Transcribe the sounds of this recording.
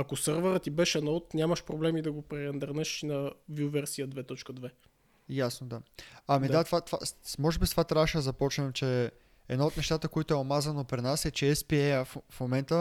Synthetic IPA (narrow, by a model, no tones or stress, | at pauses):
ɐkosɤɾvəɾət̪ibɛʃɛnɔot̪nʲjaməʃpɾoblɛmid̪ɐɡopɾɛɾɛnd̪ɐɾnɛʃnɐviʊvɛɾsiəd̪vɛt̪ɔt͡ʃkəd̪vɛ | jasnod̪aɐmid̪at̪vat̪va̰smɔʒɛbisvat̪ɾavəʃɛd̪zɐpɔt͡ʃnɛmt͡ʃɛ | ɛd̪naot̪nɛʃt̪at̪əkoit̪ʊɛomazɐnopɾinasɛt͡ʃɛɛspiɛjəffmomɛnt̪ə